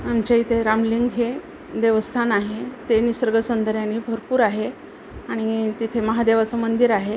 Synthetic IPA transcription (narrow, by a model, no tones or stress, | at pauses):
amt͡ɕait̪ʰeɾamliŋɡɦe | d̪eʋəst̪ʰanaɦet̪enisəɾɡəsənd̪əɾjaniːbʱəɾpuːɾaɦe | aɽ̃it̪it̪ʰeməɦad̪eʋat͡səmənd̪iɾaɦe